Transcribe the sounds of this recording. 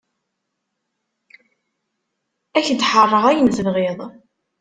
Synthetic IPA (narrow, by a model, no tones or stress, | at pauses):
æçd̪ħərˤːəʁæjənθðʁeðˤ